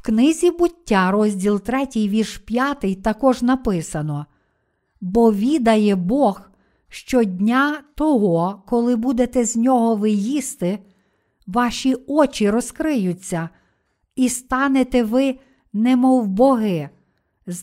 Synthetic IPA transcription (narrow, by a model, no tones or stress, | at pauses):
wknɪzʲibʊtʲːaɾɔzʲdʲilˠt̪ɾɛtʲɪjʋʲirʃpʲjat̪ɪjt̪ɐkɔʒnɐpɪsɐnɔ | bɔʋʲid̪ɐjɛbɔx | ʃt͡ʃɔdʲnʲat̪ɔɦɔkɔlˠɪbud̪et̪ɛzʲnʲɔɦɔʋɪjist̪ɪ | ʋɑʃʲiɔt͡ʃʲiɾɔskɾɪjʊt͡sʲːɐ | ist̪ɑnet̪ɛʋɪ | nɛmɔwbɔɦɪ